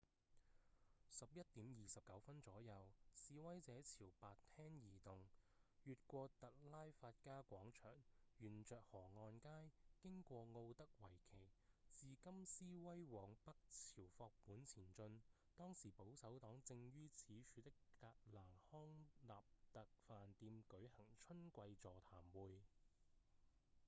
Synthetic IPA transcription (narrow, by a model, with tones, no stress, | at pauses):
sɐ˨p̚jɐ˥t̚t̪iː˨˥mjiː˨sɐ˨p̚kɐ˨˥wfɐ˥nt͡sɔː˨˥jɐ˨˧wsiː˧wɐ˥jt͡sɛː˨˥t͡sʰiː˨˩wpaː˨tt̪ʰɛː˥ŋjiː˨˩t̪ʊ˨ŋ | jyː˨t̚kʷɔː˧t̪ɐ˨t̚laː˥jfaː˧t̚kaː˥kʷɔː˨˥ŋt͡ʃʰœ̰ː˨˩ŋjyː˨˩nt͡ʃœː˨k̚hɔː˨˩ŋɔː˧nkaː˥jkɪ˥ŋkʷɔː˧ŋo˧wt̪ɐ˥k̚wɐ˨˩jkʰe˨˩jt͡siː˨˧kɐ˥msiː˥wɐ˥jwɔː˨˩ŋpɐ˥k̚t͡sʰiː˨˩wfɔː˧k̚puː˨˥nt͡sʰiː˨˩nt͡ʃɵ˧n | t̪ɔː˥ŋsiː˨˩po˨˥wsɐ˨˥wt̪ɔː˨˥ŋt͡sɪ˧ŋɥyː˥t͡sʰiː˨˥t͡ʃʰyː˧t̪ɪ˥kːaː˧t̚laː˨˩nhɔː˥ŋlaː˨p̚t̪ɐ˨k̚faː˨nt̪iː˧mkɵ˨˥ɥhɐ˨˩ŋt͡ʃʰɵ˥nkʷɐ˧jt͡sɔː˨˩t̪ʰaː˨˩mwuː˨˧j